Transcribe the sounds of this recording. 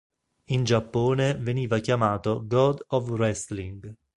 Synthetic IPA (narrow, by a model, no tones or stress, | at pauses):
ind͡ʒapːoːneveniːvakjamaːt̪oɡɔd̪ɔvrɛsliŋɡ